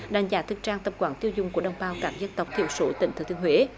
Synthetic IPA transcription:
ɗa̰˧˩jŋzaː˨˦t̪ʰɨ˨˩k̚t͡ɕaː˧ŋt̪ə˨˩p̚kwaː˧˩nt̪i˧əwzʊ̰˨˧˨ŋ͡mku˧˩əɗə˨˧˩wŋ͡mɓaː˧wkaː˦˥k̚zə˧nt̪ə˨˩wk͡p̚t̪ʰḭ˧˨əwso˨˦t̪ï˧˨ŋt̪ʰɨ˨˧˩t̪ʰɨ˧əhwḛ˧˦

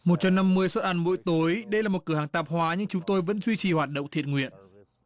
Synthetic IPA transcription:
mo˨˩t̚t͡ɕa˧wna˧mːɨ˧əjswə˦˥t̚ʔaː˨˩˦nmṵ˧˥jt̪o˨˦jɗə˧jlaː˨˩mo˨˩t̚kɨ˧˩əhaː˨˩ŋt̪aː˨˩p̚hwaː˨˦ɲɨ˧ŋt͡ɕʊ˨˦ŋ͡mt̪o˧jvə̰˧˥nzwi˧t͡ɕi˨˩hwaː˨˩t̚ɗə̰˧˨wŋ͡mt̪ʰi˨˩ət̚ŋwḭ˧˨ən

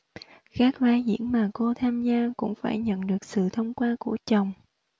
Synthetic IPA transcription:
kaː˦˥k̚vaː˧zḭ˧˥ənmaː˨˩ko˧t̪ʰaː˧mzaː˧kʊ̰˧˥ŋ͡mfaː˧˩jɲə̰˧˨nɗɨ˨˩ək̚sɨ̰˧˨t̪ʰə˧wŋ͡mkwaː˧ku˧˩ət͡ɕə˨˩wŋ͡m

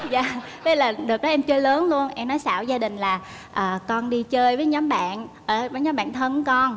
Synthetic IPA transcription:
za̰ː˧˨ | t̪ʰə˨˦laː˨˩ɗɨ˨˩ək̚ɗɔ˨˦ʔɛ˧mt͡ɕɨ˧ələː˨˦nlu˧ənʔɛ˧mnɔ˨˦jsa̰ː˧˩˨wzaː˧ɗï˨˩ŋ̟laː˨˩ | ʔəː˨˩kɔ˧nɗi˧t͡ɕəː˧jvəː˨˦jɲɔ˨˦mɓa̰ː˧˨nʔəː˧˩vəː˨˦jɲɔː˨˦mɓa̰ː˧˨nt̪ʰə˧nkɔ˧n

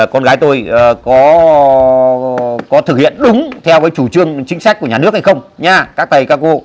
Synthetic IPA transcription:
kɔ˧nɣaː˨˦jt̪o˧jkɔ˨˦ | kɔ˨˦t̪ʰɨ˧˩k̚hḭ˧˨ənɗʊ˨˦ŋ͡mt̪ʰɛ˧wvaː˨˦jt͡ɕu˧˩t͡ɕɨ˧əŋt͡ɕï˨˦ŋ̟sa˦˥k̟̚ku˧˩əɲaː˨˩nɨ˦˥ək̚ha˧jxə˧wŋ͡mɲaː˧kaː˦˥k̚t̪ʰə˨˩jkaː˦˥kːo˧

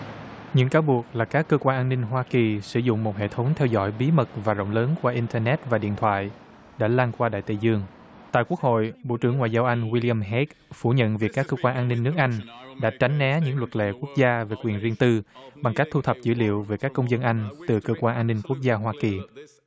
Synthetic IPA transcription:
ɲɨ̰˧˥ŋkaː˨˦wɓu˨˩ək̚laː˨˩kaː˦˥kːəː˧kwaː˧nʔaː˧nːï˧ŋ̟ɦwaː˧ki˨˩sɨ˧˩zʊ̰˧˨ŋ͡mmo˨˩t̚ɦḛ˧˨t̪ʰə˨˦wŋ͡mt̪ʰɛ˧wzɔ̰˧˥˩jɓi˨˦mə˨˩t̚vaː˨˩zə̰˧˨wŋ͡mləː˨˦nkwaː˧ʔi˧nt̪ɛː˧nɛ˦˥t̚vaː˨˩ɗḭ˧˨ənt̪ʰwa̰ː˧˨j | ɗa̰ː˧˥laː˧ŋkwaː˧ɗa̰ː˧˨jt̪ḭ˧˨˩zɨ˧əŋ | t̪a̰ː˧˨ku˦˥ək̚ho̰˧˨jɓo̰˧˨t͡ɕɨ˧˩ŋːwaː˧˨jzaː˧wʔa˧jŋ̟wi˧li˧a˧mɦɛ˦˥k̚fu˧˩ɲə̰˧˨nvi˨˩əkːaː˦˥kːəː˧kwaː˧nʔaː˧nːï˧ŋ̟ːɨ˦˥ək̚ʔa˧jŋ̟ɗa̰ː˧˥t͡ɕa˨˦jŋ̟nɛ˨˦ɲɨ̰˧˥ŋlwə˨˩t̚lḛ˧˨ku˦˥ək̚zaː˧ve˨˩kwi˨˩ənzi˧ənt̪ɨ˧ɓa˨˩ŋka˦˥k̚t̪ʰu˧t̪ʰə˨˩p̚zɨ̰˧˥lḭ˧˨əwveː˨˦kaː˦˥kːə˧wŋ͡mzə˧nʔa˧jŋ̟t̪ɨ˨˩kəː˧kwaː˧nʔaː˧nːï˧ŋ̟kwək̚zaː˧ɦwaː˧ki˨˩

